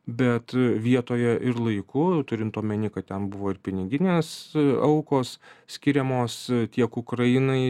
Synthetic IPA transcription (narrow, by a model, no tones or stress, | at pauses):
bʲɛt̪ʋʲiɛt̪oːjɛʔɪɾlˠɐɪkʊt̪ʊɾʲɪnt̪oːmʲɛnʲɪkɐtt̪ʲɛnbʊʋoːɪɾpʲɪnʲɪɡʲɪnʲeːsɐʊkoːssʲkʲɪɾʲɛmoːst̪ʲiɛkʊkɾɐjɪnɐɪ